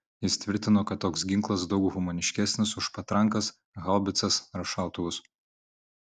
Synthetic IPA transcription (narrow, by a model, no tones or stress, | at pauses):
jɪst̪ʲʋʲɪɾʲt̪ʲɪnoːkɐt̪ːoːksɡʲɪ̃ŋklˠɐs̬d̪ɒʊkɣʊmoːnʲɪʃʲkʲæsʲnʲɪsʊʃpɐt̪ɾɐŋˑkɐs | ɣɐlˠbʲɪt̪sɐsɾɐʃɑˑʊt̪ʊʋʊs